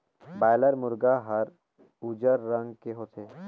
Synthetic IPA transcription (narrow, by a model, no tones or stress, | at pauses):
bajləɾmʊɾɡaɦəɾ | ud͡ʒəɾːə̃ŋɡkeɦot̪ʰeː